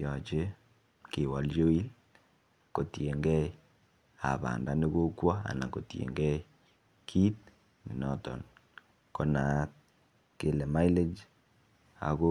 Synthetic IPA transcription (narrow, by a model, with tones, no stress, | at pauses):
jɔ˨t͡ʃe˦ | ke˨wa˨ljo˦i˦l | ko˨tje˨ŋɡɛ˦i | a̰˨βa̰˨nda˨ne˦ɣo˦kwa˦a̰˨na˨ko˨tjḛ˨ŋɡɛ˦i | kʰi˦t̚ | ni˨nɔ˦tɔ̰˨n | kɔ˨na˨t̚ | ke˨lɛ˨ma˦i˦le˦d͡ʒ | a̰˨ɣo˦